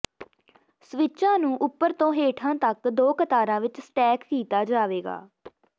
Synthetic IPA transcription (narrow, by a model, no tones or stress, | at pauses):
sʋɪt͡ʃãːnũːʔʊpːəɾt̪õːɦeːʈʰãːt̪əkd̪oːkət̪aːɾãːʋɪt͡ʃsʈɛːkːiːt̪aːd͡ʒaːʋeːɡa̰ː